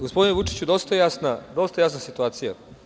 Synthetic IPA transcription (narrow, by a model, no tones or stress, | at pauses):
ɡospd̪ineʋut͡ʃi̥t͡ɕud̪o̞st̪aejasnad̪o̞st̪ajaːsnasit̪uaːt̪sija